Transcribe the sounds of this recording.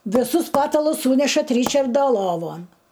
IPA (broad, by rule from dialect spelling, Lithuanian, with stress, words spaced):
ʋʲɪˈsʊs ˈpɑːtɐlˠʊs ˈsuːnʲɛʃɐt ˈrʲiːt͡ʃɐrdɐ ˈlˠoːʋoːn